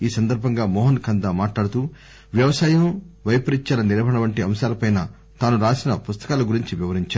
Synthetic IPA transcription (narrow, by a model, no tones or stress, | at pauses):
iːsɐnd̪ɐɾbʱɐŋɡaːmɔːɦɐnkɐnd̪aːmaːʈlaːɽut̪uː | ʋjɐʋɐsaːjɐmʋɐjpɐɾiɲt͡ʃaːlɐniɾbʱɐɽɐʋɐɳʈiɐmʃaːlɐpɐjnaː | t̪aːnuɾaːsinɐpust̪ɐ̥kaːlɐɡuɾiɲt͡ʃiʋiʋɐɾiɲt͡ʃaːɾ